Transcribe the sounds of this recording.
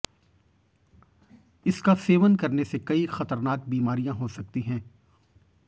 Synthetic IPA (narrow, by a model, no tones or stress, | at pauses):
ɪskaseːʋənkɐɾnesekɐixɐt̪əɾnaːk̚biːmaːɾijãɦosɐk̚t̪iɦɛ̃ː